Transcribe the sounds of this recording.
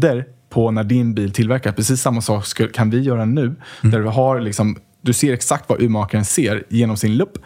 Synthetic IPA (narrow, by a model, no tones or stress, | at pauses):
d̪əɾpʰɔnæɖɪnbiːlt̪ʰɪlvæɾkaɾpʰɾɛsiːsːamːasɑːkskkʰanvɪjœːɾanʉ̟ːd̪æɖɵɦaɾlɪksɔm | d̪ɵseːɾɛksak̚t̪va̰ʔʉ̟ːmɑːkaɾənseːɾjeːnɔmsɪnlɵpː